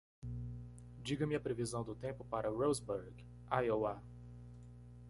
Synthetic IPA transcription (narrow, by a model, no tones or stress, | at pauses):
d͡ʒiɡɐmɪɐpɾevizɐ̃w̃d̪ʊt̪ẽpʊpaɾɐɾozboɾɡ | ajowa